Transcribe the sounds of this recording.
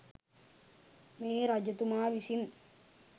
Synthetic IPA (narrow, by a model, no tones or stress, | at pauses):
meːɾad͡ʒɐt̪umaːʋisin